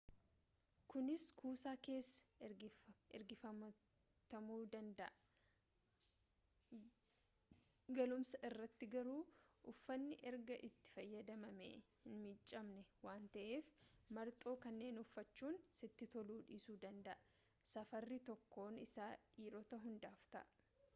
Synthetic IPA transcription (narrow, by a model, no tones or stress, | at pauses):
kʊnɪskʰuːsaːke̞ːsːɐ̥ɾɡɪɾɡɪfɐ | t̪ɐmuːd̪ɐnd̪ɐʔɐ | ɡɐlʊmsɐʔɪrːɐt̪ːɪɡɐɾuːʔʊfːɐnːɪʔɛɾɡɐʔɪt̪ːɪ̥fɐjːɐd̪ɐmɐmḛːhɪnmɪt͡ʃʼːɐmnɛwaːnt̪ɐʔe̞ːfmɐɾt̪ʼo̞ːkɐnːe̞ːnʊfːɐt͡ʃːuːnsɪt̪ːɪt̪ɔluːᶑiːsuːd̪ɐnd̪ɐʔɐ | sɐfɐrːɪt̪ɔkːo̞ːnɪsaːᶑiːɾɔt̪ɐɦʊnd̪aːft̪ɐ̰ʔ